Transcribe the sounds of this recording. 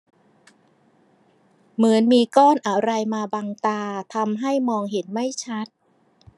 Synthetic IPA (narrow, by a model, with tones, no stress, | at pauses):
mɯ˩˦ənmiː˧kɔː˥˩nʔa˧ɾa˧jmaː˧baː˧ŋt̪aː˧t̪ʰa˧mɦa˥˩jmɔː˧ŋɦe˩˦nma˥˩jt͡ɕʰa˦˥t̪̚